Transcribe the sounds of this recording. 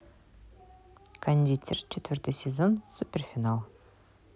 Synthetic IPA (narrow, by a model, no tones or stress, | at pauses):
kʰanʲd̪ʲit̪ʲʰɪrt͡ʃʰet̪ʰʏɾt̪əsʲezonsupʲerfʲinalˠ